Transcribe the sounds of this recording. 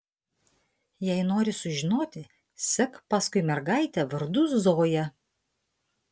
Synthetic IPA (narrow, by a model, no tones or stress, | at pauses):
jɛɪnoːɾʲɪsʊʒʲɪnoːt̪ʲɪ | sʲɛkpɑskʊɪmʲɛɾɡɑɪt̪ʲɛʋɐɾd̪ʊszoːjɛ